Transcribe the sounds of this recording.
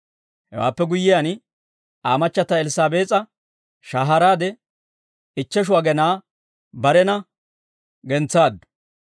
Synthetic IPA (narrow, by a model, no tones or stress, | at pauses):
hɛ̰wa̰ːpːɛɡʊjːɪjaːn | aːmɐt͡ʃːɐt̪ːɐɛlɪsaːbeːt͡sʼɐ | ʃaːɦɐɾaːd̪ɛ | ɪt͡ʃːɛʃ̬ʊwaːɡɛnaː | bɐɾɛnɐ | ɡɛnt͡sːaːd̪ːɐ̥